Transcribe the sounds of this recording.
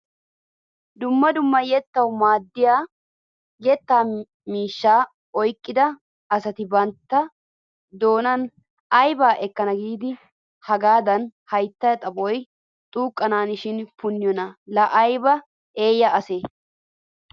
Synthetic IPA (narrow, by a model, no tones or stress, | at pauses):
d̪ʊmːɐd̪ʊmːɐjɛt̪ːɐwmaːd̪ːɪja | jɛt̪ːaː | miːʃːaː | ɔjkʼːɪd̪ɐ | ɐsɐt̪ɪbɐnt̪ːɐ | d̪o̞ːnɐn | ɐjbaːʔɛkːɐnɐɡiːd̪ɪ | hɐɡaːd̪ɐnhɐjt̪ːɐjɐt̪ʼɐbɔj | t̪ʼuːkʼːɐnaːnɪʃɪnpʊnːɪjɔnɐlɐʔɐjbɐ | e̞ːjːɐʔɐseː